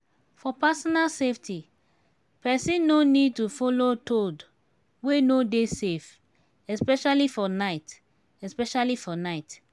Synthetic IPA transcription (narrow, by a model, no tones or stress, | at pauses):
fɔpasɔnalseftʰi | pɛsĩnːonid̚tufɔlotod | wenodesef | ɛspɛʃalifɔnaɪt | ɛspɛʃalifɔnaɪt